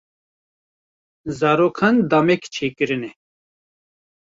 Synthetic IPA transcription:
zaːɾoːkʰand̪amɛkt͡ʃʰeːkɨɾɨnɛ

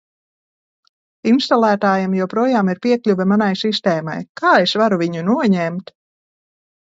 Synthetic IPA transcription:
inst̪alˠæːt̪aːjamjuwpɾuɔjaːmiɾpʲiɛklʲuvɛmanajsist̪ɛːma̰jkaːesvaɾuvʲiɲunuɔɲɛmt̪

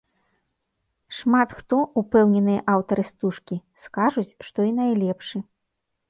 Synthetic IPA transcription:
ʂmat̪xt̪ɔupɛwnʲɛnɨjɐʔawt̪ɐɾɨst̪uʂkʲiskaʐut͡sʲʂt̪ɔinajlʲɛpʂɨ

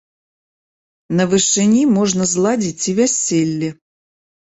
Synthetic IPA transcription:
nəvɨʂɨnʲimoʐnəzlˠadʲit͡sʲivʲɛsʲːelʲːɪ

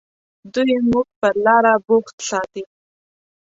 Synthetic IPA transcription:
d̪ujemuɡ̚pəɾlɑɾaboxt̪sɑt̪i

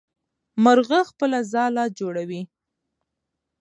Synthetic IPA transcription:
məɾɣəxpəlazɑlɑd͡ʒoɽawi

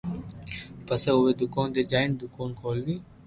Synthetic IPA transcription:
pəseːʊʋeːd̪ʊkoːnd̪eːd͡ʒaːɪnd̪ʊkoːnkʰoːlʋiː

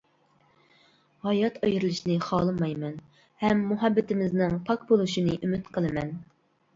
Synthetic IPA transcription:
hɑjɑt̪ʰɑjɾɨlˠɨʃinɨχɑːlˠɨmɑjmɛn | hɛmːuɦɛbːɪt̪ɪmɪznɨŋpʰɑkbolˠuʃinɨʔymɪt̪qʰəlˠɨmɛn

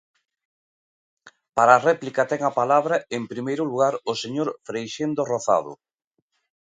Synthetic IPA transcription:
paɾaːrɛplikɐt̪ɛŋapalaβɾaempɾimejɾʊluɣaɾʊseɲoɾfɾejʃend̪oroθa̰ð̞ʊ̰

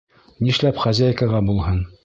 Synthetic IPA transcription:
niʃlæpχæzʲæjkaʁɑbulˠhɤn

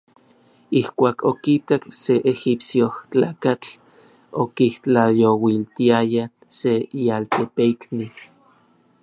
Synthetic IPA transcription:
ihkʷaːkʰokit̪akseʔexipsjoht͡ɬaːkat͡ɬ | okiht͡ɬajowilt̪iaja | seialt̪epeikni

